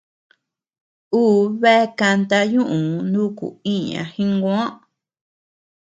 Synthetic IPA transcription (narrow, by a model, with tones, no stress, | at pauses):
uː˦βe˦˧ka˧nt̪a˧ɲũ˦ʔũ˨nũ˦kṵ˨ĩ˦ɲã̰˨hĩ˦ŋɡõ˧˦ã˦